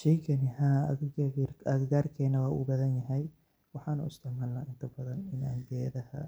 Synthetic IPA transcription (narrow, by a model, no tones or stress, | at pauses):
ʃɛjkʰɐnɪha | ɐd̪ɡaːrkʰɛːnɐwaːʔṵːbɐðɐnjɐɦɛj | wɑħɑːnṵɪst̪ʰɐʕmɐlːɐʔɪnt̪ʰɐbɐðɐnɪna̰ːɡɛːðɐhɐ̰